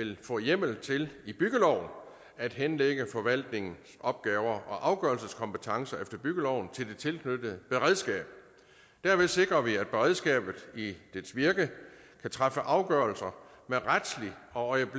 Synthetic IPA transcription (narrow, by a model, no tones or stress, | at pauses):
e̝lfɔ̰̽ːjem̰l̩t͡sʰe̝lib̥yɡ̥əlɒʊ̰n | æd̥ɦenleɡ̥əfɒ̽ʋæl̰d̥ne̝ŋn̩sɒ̽b̥̚ɡ̥ɛːʊɐʔɒ̽ʔɑ̈ʊɡ̥ɶɐlsəskʰɒ̽mpət͡sʰɑ̈ŋsɐefd̥ɐb̥yɡ̥əlɒʊn̩t͡sʰe̝ld̥e̝t͡sʰe̝lkʰnød̥ð̩ˠb̥e̝ʁɛðˠsɡ̥ɛ̰ːb̥̚ | d̥æɐʋe̝se̝ɡ̥ʁɐʋiæd̥̚b̥e̝ʁɛðˠsɡ̥ɛ̰ːb̥ð̩ˠid̥esʋiɐɡ̥ə | kʰæt͡sʰʁɑfəʔɑ̈ʊɡ̥ɶɐlsɐ | meʁad̥sliɒ̽ɒɪəb̥